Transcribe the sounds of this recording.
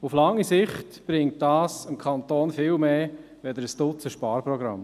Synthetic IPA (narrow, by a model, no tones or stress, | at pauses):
uflɑŋːisɪχtb̥ɾɪŋt̚dɑːsəmkʰɑntoːnfɪːlmeː | ʋɛd̪əɾəsd̥ʊt͡səʃpɑːɾprɔɡɾɑ̰m